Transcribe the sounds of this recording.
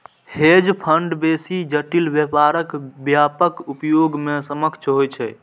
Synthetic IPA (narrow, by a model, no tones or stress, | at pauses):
hed͡ʒpʰəɳɖbesid͡ʒəʈilbjəpaɾəkbjapəkupjoɡmesəməkt͡ʃʰɦojt͡ʃʰɛ̰